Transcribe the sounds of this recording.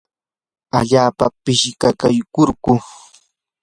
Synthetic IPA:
aʎaːpa̰pɪʃkakajkoɾkʊ

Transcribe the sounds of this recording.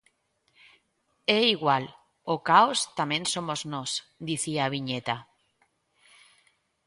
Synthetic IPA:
eiɣwal | okaost̪amẽnsomoznosd̪iθiaːβiɲet̪a

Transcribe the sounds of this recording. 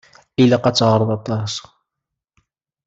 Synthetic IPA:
ilæqɑt͡sːʁəɾˤðˤɑt̪ˤɑs

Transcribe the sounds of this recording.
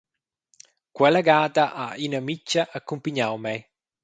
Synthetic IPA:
kwɛlaɡaːd̪aʔainamit͡ʃːaʔakːumpiɲawmɛ

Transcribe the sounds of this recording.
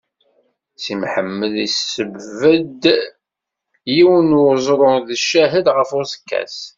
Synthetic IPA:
simħəmːəðisəbəd̪ | jiwənʊɾzˤɾˤʊðəʃːæɦəd̪ʁəfʊsə̥kːæ̰s

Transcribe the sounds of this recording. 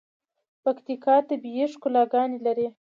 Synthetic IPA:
pakt̪ikɑd̪əbijeʂkʊlɑɡɑnilaɾi

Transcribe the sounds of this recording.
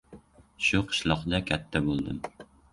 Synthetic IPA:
ʃuqʰɨ̥ʃlˠɑqd̪akʲʰæt̪ʰːabolˠd̪ɨm

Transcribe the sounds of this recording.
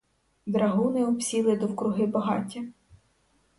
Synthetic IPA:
d̪ɾɐɦunɛɔpsʲilˠɪd̪ɔwkɾʊɦɪbɐɦɑ̰tʲi

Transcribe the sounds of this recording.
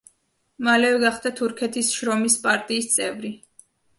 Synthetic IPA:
malɛvɛɡaχd̪at̪ʰuɾkʰɛt̪ʰisʃɾɔmispʼaɾt̪ʼiːst̪sʼɛvɾi

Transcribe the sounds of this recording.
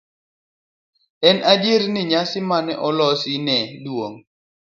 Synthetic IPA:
ɛnʔadjɪɾnɪɲasɪmanɛʔɔlɔsɪnɛdwoŋ

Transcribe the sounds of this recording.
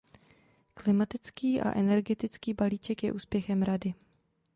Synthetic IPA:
klɪmat̪ɪt͡skiːʔa̰ʔɛnɛɾɡɛt̪ɪt͡skiːbaliːt͡ʃɛkjɛ̰ʔuːspjɛxɛmɾadɪ

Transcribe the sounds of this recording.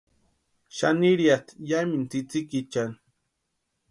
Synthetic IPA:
ʃaniɾjat̪jamint͡sit͡sikit͡ʃan

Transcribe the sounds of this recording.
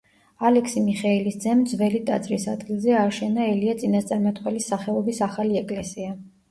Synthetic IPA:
alɛkʰsimiχailisd̪zɛmd̪zvɛlit̪ʼa̰t̪sʼɾisad̪ɡilˠzɛaʃɛnaɛliat̪sʼinast̪sʼaɾmat̪ʰχwɛlisːaχɛɔbisaχaliɛkʼlɛsia

